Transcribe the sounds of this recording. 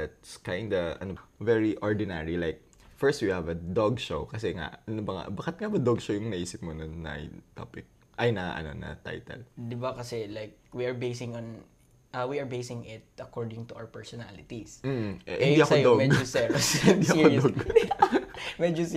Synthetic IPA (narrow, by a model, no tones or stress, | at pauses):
at̪̚skajnd̪ɐʔɐ̰novɛɹiʔoɹd̪ɪnɛɹilajk̚ | fɛɹst̪wihɐvɐd̪oɡʃowkɐsɛŋa̰ʔɐnobɐŋa̰bakɪt̪̚ŋabɐd̪oɡʃowjʊŋnɐʔiːsɪp̚monɐnnɐ̰ʔjt̪o̰pɪk̚ | ʔɐjnɐa̰ʔɐ̰no̞̰nɐ̰t̪a̰jt̪ɛ̰ld̪ɪbakɐsɛlajkwiɐɹbejsɪ̃ŋõn | ʔɐwiɐɹbejsɪ̃ŋɪt̪̚ʔɐkoɹd̪ɪ̃ŋt̪ʊʔawɹpɛɹsɔna̰lɪt̪ism̩ʔʔhʔhɪniɐksojd̪omɛɡosɛɹshnd̪iːʔɐkod̪oɡ | mɛd͡ʒos